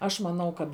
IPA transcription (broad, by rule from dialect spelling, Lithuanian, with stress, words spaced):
ˈɐʃ mɐˈnɐʊ kɐt